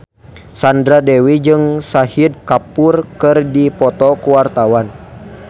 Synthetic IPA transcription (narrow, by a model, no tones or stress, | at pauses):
sandɾadɛwid͡ʒɨŋsahid̚kapurkɨrdipɔt̪ɔkuwart̪awan